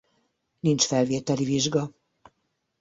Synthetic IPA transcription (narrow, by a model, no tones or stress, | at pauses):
nint͡ʃfɛlveːt̪ɛliviʒɡɒ